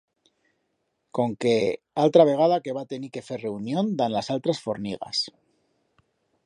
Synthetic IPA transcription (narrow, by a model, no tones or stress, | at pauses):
ko̞ŋke̞ | alt̪ɾaβ̞e̞ɣ̞að̞ake̞βat̪e̞nike̞fere̞unjõ̞nd̪anlasalt̪ɾasfo̞ɾniɣ̞a̰s